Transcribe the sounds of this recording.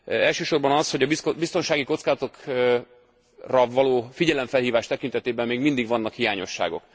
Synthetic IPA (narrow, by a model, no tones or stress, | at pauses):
ɛlʃøːʃo̞rbɒnɒsho̞ɟɒbist̪o̞nʃaːɡiko̞t̪skaːzɒt̪o̞k | rɒvɒloːfiɟɛlɛɱfɛlhiːvaːʃt̪ɛkint̪ɛt̪eːbɛmːeːɡmind̪iɡʋɒnːɒkhijaːɲo̞ʃːa̰ːɡo̞̰k